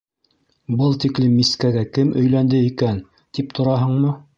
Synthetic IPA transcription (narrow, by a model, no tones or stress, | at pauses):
bɤlˠt̪iklimːiskæɡækɘmʔɵ̆jlænd̪ɘikæn | t̪ip̚t̪ʰŏɾɑɦɤɴmɤ